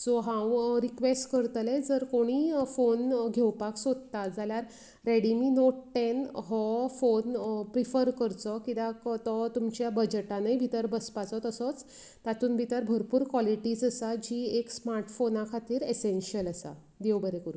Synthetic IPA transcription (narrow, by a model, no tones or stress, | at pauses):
sɔɦãwɾikʋesʈkəɾt̪əled͡zəɾkoɽ̃iːfonɡʱewpaksod̪̚t̪ad͡zaljaɾ | ɾeɽiminoʈʈenɦɔfonpɾifəɾkəɾt͡sɔkit̪akt̪ɔt̪umt͡ɕjabəd͡ʑəʈãnəjbʱit̪əɾbəspat͡sɔt̪əsɔt͡s | t̪at̪ʰuːnbʱit̪əɾbʱəɾpuːɾkwɔliʈiːd͡zəsad͡ʑiːeksmaɾʈfonakʰat̪iːɾesenɕiələsa̰ | d̪ewbəɾekəɾu